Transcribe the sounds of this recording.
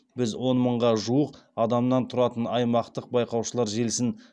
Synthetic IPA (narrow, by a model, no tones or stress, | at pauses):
bɪzwo̞nməɴʁɑʒuəqɑd̪ɑmnɑnt̪ʰʊɾɑt̪ənɑjmɑqt̪əq̚bɑjqɑwʃəlˠɑɾʒe̞lsɪn